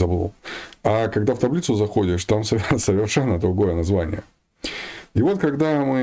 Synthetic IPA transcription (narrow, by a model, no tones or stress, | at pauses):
zɐblˠo̰kakɐɡd̪aft̪ɐblʲit̪sʊzɐxo̞dʲɪʂt̪amsəsəvʲɪrʂɛnːəd̪ɾʊɡo̞jənɐzvanʲɪ̰jə | ɪvo̞t̪kɐɡd̪amɨ